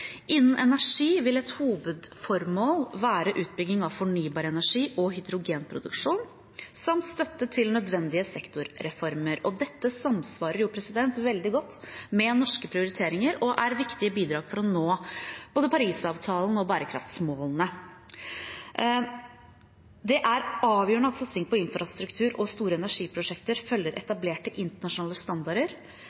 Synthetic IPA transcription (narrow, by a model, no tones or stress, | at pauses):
ʔɪnn̩ʔɛnæʂiːʋɪlɛt̪huːʋʉd̪fɔɾmoːlʋæːɾəʔʉːt̪̚bʏɡnɪŋɑʋfɔɳyːbɑːɾəɛnæʂiːʔɔɦʏd̪ɾʊɡeːnpʰɾʊd̪ʉkʂuːn | sɑmt̪st̪œt̪ːət̪ʰɪlnœd̪ʋɛnd̪ɪəsɛkt̪ʊɾːɛfɔɾməɾɔd̪ɛt̪ːəsɑmsʋɑːɾəɾjʊpʰɾɛsɪd̪ɛnt̪ʋɛld̪ɪɡɔt̪ːmɛnɔʂkəpʰɾɪʊɾɪt̪ʰeːɾɪŋəɾɔʔæɾʋɪkt̪ɪəbiːd̪ɾɑːɡfɔɾɔnoːb̥oːd̪əpʰɑɾiːsɑːʋt̪ʰɑːlnəɔbæːɾəkʰɾɑ̰ft̪smoːlnə | d̪ɛʔæɾɑːʋjøːɳəɑt̪sɑt̪sɪŋpʰɔɪnfɾɑst̪ɾʉkt̪ʰʉːɾɔst̪uːɾəɛnæʂiːpʰɾʊʂɛkt̪əɾfœlːəɾʔɛt̪ɑbleːʈəʔɪnt̪əɳɑʂʊnɑːləst̪ɑnd̪ɑɾəɾ